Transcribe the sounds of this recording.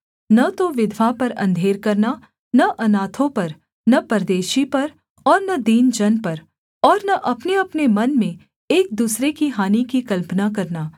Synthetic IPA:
nɐt̪oʋɪd̪ʱʋapɐɾɐ̰̃nd̪ʱeːɾkɐɾna | nɐʔɐnaːt̪ʰõpɐɾ | nɐpɐɾd̪eːʃipɐɾ | ɔːɾnɐd̪iːnd͡ʒɐnpɐɾ | ɔːɾnɐʔɐpneɐpnemɐnmẽ | eːk̚d̪uːsɾekiɦaːnikikɐlpnakɐɾnaː

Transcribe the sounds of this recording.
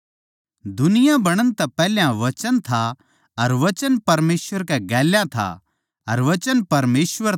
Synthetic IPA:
d̪ʊnɪjãbɐɽ̃ənt̪ɛpɛːljãʋɐt͡ʃənt̪ʰa | ɐɾʋɐt͡ʃənpɐɾmeːsʋəɾkɛɡɛːljãt̪ʰa̰ | ɐɾʋɐt͡ʃənpɐɾmeːsʋəɾ

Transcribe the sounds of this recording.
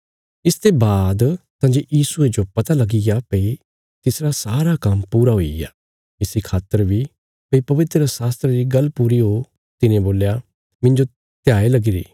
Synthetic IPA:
ɪst̪ebaːd̪t̪ãːd͡ʒojiːsʊed͡ʒopɐt̪alɐɡiɡapɐi | t̪ɪsɾasaːɾakɐmpuːɾaɦoḭja̰ː | ɪsɾikʰaːt̪ːəɾbi | pɐipɐʋɪt̪ɾəsaːst̪ɾeɾiɡɐlpuːɾiɦo | t̪ɪnẽboːlja | mɪ̃ɲd͡ʒo | t̪jaːelɐɡiɾḭː

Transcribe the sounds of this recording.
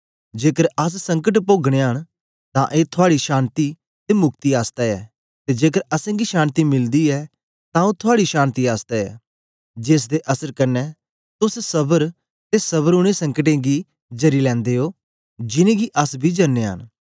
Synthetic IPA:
d͡ʒeːkəɾɐs̬sɐ̃ŋkəʈ̬p̬oːɡɽ̃eɦəɽ̃ | t̪ãʔeːt̪ʰʊaːɽiʃaːnt̪i | t̪emʊkt̪iaːst̪ɛɛː | t̪ed͡ʒeːkəɾɐsẽːɡiʃãːnt̪imɪld̪iɛː | t̪ãot̪ʰʊaːɽiʃaːnt̪iaːst̪ɛɛ̰ː | d͡ʒeːs̬d̪eʔɐsəɾkɐɾnɛ | t̪ʊssɐbəɾ | t̪esɐβəɾʊɽ̃ẽsɐ̃ŋkəʈ̬ẽːɡi | d͡ʒɐɾilɛ̃ːnd̪eːoː | d͡ʒɪnẽɡiʔɐsbʱid͡ʒɐnːeɦə̰ñ

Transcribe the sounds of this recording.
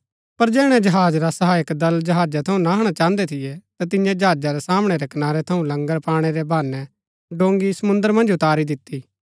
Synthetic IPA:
pɐɾd͡ʒɛːɽ̃ɛ̃d͡ʒɐɦaːd͡ʒɾasɐɦaːjəkd̪ɐld͡ʒɐɦaːd͡ʒat̪ʰɐũnaɦɐɽ̃at͡ʃãːənd̪ɛt̪ʰɪjɛt̪at̪̬ɪnjãd͡ʒɦaːd͡ʒaɾɛsaːmɽ̃ɛɾɛkɐnaːɾɛt̪ʰɐũlɐ̃ŋɡəɾpaːɽ̃eɾɛbʱaːnɛ | ɖõːŋɡisɐmʊ̃nd̪əɾmɐ̃nd͡ʒʊt̪aːɾid̪ɪt̪ːi

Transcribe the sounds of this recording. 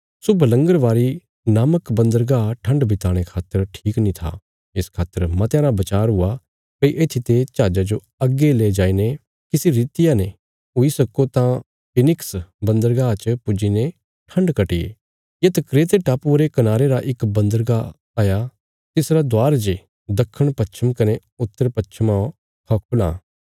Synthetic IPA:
sʊbʱələ̃ŋɡəɾʋaːɾi | naːməkbɐ̃nd̪əɾɡaʈʰɐ̃ɳɖbʱɪt̪aːɽ̃ekʰaːt̪ːəɾʈʰiːknĩt̪ʰa̰ | ɪskʰaːt̪ːəɾmãt̪jãːɾabɐt͡ʃaːɾɦʊa | pɐiʔeːt̪ʰit̪et͡ʃaːd͡ʒad͡ʒo | ɐɡːeleːd͡ʒaːine | kɪsiɾiːt̪ɪjane | ɦʊisɐkot̪ã | pɪnɪksbɐ̃nd̪əɾɡat͡ʃpʊd͡ʒine | ʈʰɐ̃ɳɖkɐʈiḛ | jet̪ɐkɾeːt̪eʈaːpuɾekɐnaːɾeɾaʔɪkbɐ̃nd̪əɾɡa | aːja | t̪ɪsɾad̪waːɾd͡ʒe | d̪ɐkʰːəɽ̃pɐʃʰəmkɐne | ʊt̪ːəɾpɐt͡ʃʰəmã | kʰɐːkʰʊlã̰ː

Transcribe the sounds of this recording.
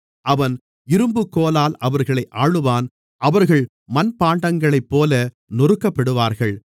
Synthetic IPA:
ʔɐʋɐn | ɪɾɯmbɯkːoːlaːlɐʋɐɾɣɐɭɐɪʔaːɻɯʋaːn | ʔɐʋɐɾɣɐɭ | mɐnpaːɳɖɐŋɡɐɭɐɪpːoːlɐ | nʊrɯkːɐpːɐɽɯʋaːɾɣɐɭ

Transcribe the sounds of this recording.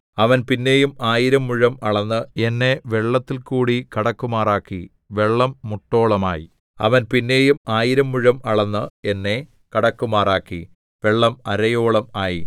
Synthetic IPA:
ɐʋɐnpinːe̞jumaːjiɾɐmːuɻɐmɐɭɐnːɨe̞nːe̞ʋe̞ɭːɐt̪ːilkuːɽikɐɽɐkːumaːraːkːi | ʋe̞ɭːɐmːuʈːo̞ːɭɐmaːjḭ | ɐ̰ʋɐnpinːe̞ːjumaːjiɾɐmːuɻɐmɐɭɐnːɨe̞nːe̞ | kɐɽɐkːumaːraːkːḭ | ʋe̞ɭːɐmɐɾɐjo̞ːɭɐmaːjḭ

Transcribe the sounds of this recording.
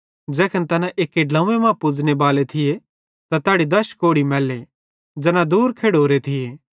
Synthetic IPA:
d͡ʒɛːkʰənt̪ɐnãʔeːkːeɖlãũːemãpʊd͡ʒnebaːlet̪ʰɪje | t̪at̪aːɽid̪ɐʃkoːɽimɛːle | d͡ʒɐnãd̪uːɾkʰeːɽoːɾet̪ʰɪjeː

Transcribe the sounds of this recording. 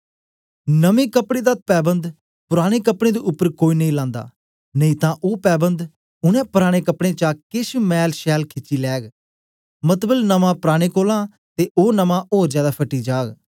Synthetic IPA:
nəmẽːkəpɽeːd̪aːpɛːbənd̪ | pʊɾaːɽ̃eːkəpɽ̃ẽːd̪eːʔʊpːəɾkoːiːnəĩlãːnd̪a̰ː | nəĩːt̪ãːʔoːpɛːbənd̪ | ʊnɛ̃ːpʊɾaːɽ̃eːkəpɽ̃ẽːt͡ʃaːkɪsmɛːlʃɛːlkʰɪt͡ʃːiːlɛːɡ | mət̪bəlnəmãːpʊɾaːɽ̃eːkoːlãː | t̪eːʔoːnəmãːʔoːɾd͡ʒjaːd̪aːpʰəʈːiːd͡ʒaːɡ

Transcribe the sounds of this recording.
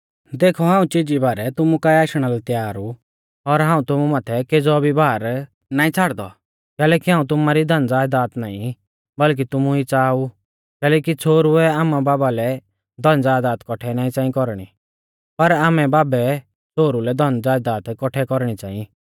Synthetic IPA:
d̪eːkʰɔɦãːũt͡ʃɪd͡ʒibaːɾɛt̪ʊmukaiaːʃɽ̃alɛt̪jaːɾu | ɔɾɦãːũt̪ʊmumaːt̪ʰɛked͡zɔbʱibʱaːɾ | naːĩt͡sʰaɽd̪ɔ̰ | kɛːlɛːkiɦãːũt̪̬ʊmaɾid̪ʱɐ̃nd͡zaːjd̪aːt̪naːĩ | bɐlk̬it̪ʊmuit͡saːu | kɛːlɛːkit͡sʰoːɾuɛaːmabaːbalɛ | d̪ʱɔ̃nd͡zaːd̪aːt̪kɔʈʰɛnaːĩt͡sãːĩkɔɾɽ̃i | pɐɾaːmɛbaːbɛ | t͡sʰoːɾulɛd̪ʱɔ̃nd͡zaːjd̪aːt̪kɔʈʰɛkɔɾɽ̃it͡sa̰ːĩi

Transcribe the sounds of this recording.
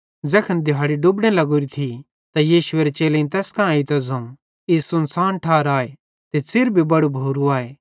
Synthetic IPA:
d͡zɛːkʰɐnd̪ɪaːɽiɖubɽ̃elɐɡoːɾit̪ʰi | t̪ajiːʃʊeːɾet͡ʃeːleĩt̪ɛːskããit̪ɐzɐ̃ | ɪssʊnsaːnʈʰaːɾaːe | t̪esɪɾbʱibɐɽubʱoːɾuaːeː

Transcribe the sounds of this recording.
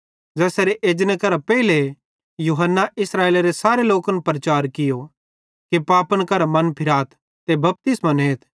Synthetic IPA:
d͡ʒɛːsaɾeʔeːd͡ʒnəkɐɾapɛːile | juɦənːaʔɪsɾaːeːlaɾesaːɾeloːkənpɾɐt͡ʃaːɾkɪjo | kipaːpənkɐɾamɐnpʰɪɾaːt̪ʰ | t̪ebɐp̚t̪ɪsmɐneːt̪ʰ

